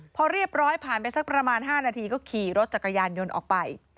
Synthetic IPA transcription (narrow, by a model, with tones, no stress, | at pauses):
pʰɔː˧ɾi˥˩əp̚ɾɔː˦˥jpʰaː˨˩npa˧jsa˦˥k̚pɾa˧maː˧nɦaː˥˩naː˧t̪ʰiː˧kɔː˥˩kʰiː˨˩ɾo˦˥t̪̚t͡ɕa˨˩kːa˧jaː˧njo˧nʔɔ̰ː˨˩k̚pa˧j